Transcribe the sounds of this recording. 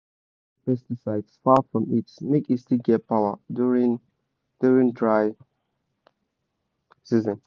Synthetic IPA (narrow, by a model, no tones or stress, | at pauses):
pɛstisaɪdsfafɹɔ̃mitsmikistiɡɛpʰaʊədɹĩn | d̥uɹĩŋdɹaɪ | sizə̃n